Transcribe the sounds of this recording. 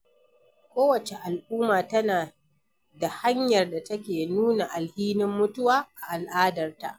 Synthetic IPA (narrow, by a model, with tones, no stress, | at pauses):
kʷoː˦wɐ˨t͡ʃe˨ʔa˨lʔuː˦maː˨tɐ˦naː˨ | da˨ha˦ɲjɐ˨rda˨tɐ˦kʲeː˨nuː˦na˨ʔa˨lhiː˦nɪ˦mːʊ˦tʊ˦waː˨ʔa˨ʔa˨lʔaː˦dɐ˨rta̰˨ʔ